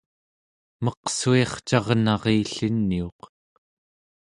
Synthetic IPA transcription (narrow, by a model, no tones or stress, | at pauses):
mʌqsueχt͡ʃɑʁnɑʁiːɬinːio̞q